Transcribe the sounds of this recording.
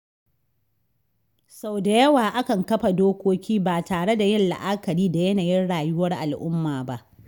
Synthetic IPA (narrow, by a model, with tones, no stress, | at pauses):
sa˨wda˨jɐ˦waː˨ʔa˦kɐ˨ŋkɐ˦ɸa˨doː˦kʷoː˦kʲiː˦baː˨taː˨ɽe˦da˨jɪ˦nla̰˨ʔaː˦kɐ˨ɽiː˦da˨jɐ˦naː˨jɪ˦nɽaː˨jʊ˦wɐ˦rʔa˨lʔʊ˦mːaː˨ba˦ʔ